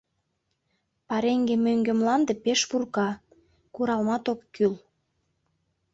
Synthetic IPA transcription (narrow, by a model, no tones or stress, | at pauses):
pɑɾeŋɡemøŋɡĕmlɑnd̪ĕpeʃpurkɑ | kuɾɑlmɑt̪okːyl